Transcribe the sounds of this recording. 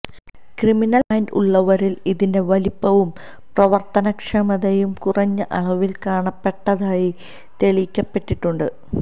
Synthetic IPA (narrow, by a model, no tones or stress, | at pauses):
kriminɐlɐjndṵɭːɐʋɐɾiliðinde̞ʋɐlipːɐʋum | prɐʋɐrt̪ɐnɐkʂɐmɐðɐjumkurɐɲːɐʔɐɭɐʋilkaːɳɐpːe̞ʈːɐðaːji | t̪eɭikʲːɐpːe̞ʈːiʈːuɳɖɨ